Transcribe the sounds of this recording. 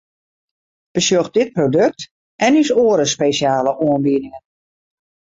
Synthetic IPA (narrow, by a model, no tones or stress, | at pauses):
b̥əsjøxt̚d̥ɪt̚prodɵk̚t | ʔɛnysoːəɾəspeːsjaːləʔoənbiədɪŋən